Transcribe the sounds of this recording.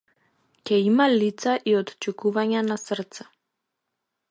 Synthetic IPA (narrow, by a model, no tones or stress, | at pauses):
cʲɛimalit̪saʔiot̪t͡ʃukuvaɲanasr̩t̪sɛ̥